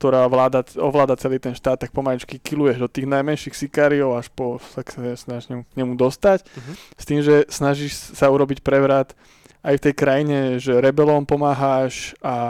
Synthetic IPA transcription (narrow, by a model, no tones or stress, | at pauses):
kt̪ɔɾaːʋlaːd̪aɔ̰ʋlaːd̪at͡sɛliːt̪ɛnʃt̪aːt̪ːak̚pɔmalit͡ʃkikilujɛʒd̪ɔt̪iːɣnajmɛnʃixsikaːɾiɔʊaʃpɔsakɛsnaʒɲɛmukɲɛmud̪ɔst̪acst̪iːmʒɛsnaʒiʃsauɾɔbicpɾɛʋɾat̪ | ajft̪ɛjkɾajiɲɛʒɛɾɛbɛlɔmpɔmaːɦaʃa